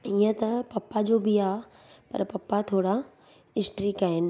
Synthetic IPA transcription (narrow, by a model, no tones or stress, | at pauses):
iːə̃t̪ɐpɐpːad͡ʑoːbʱiaː | pɐ̰ɾpɐpːat̪ʰoːɽa | ɪsʈɾikaːɦɪnɪ̆